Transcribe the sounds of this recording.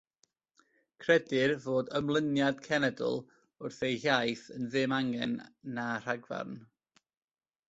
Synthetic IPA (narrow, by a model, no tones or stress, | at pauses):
kʰrɛdɪrvoːdəmlˠənjad̥kʰɛnɛdʊ̰lˠ | ʊrθejhjajθənðɨmaŋɛnːar̥aɡva̰rn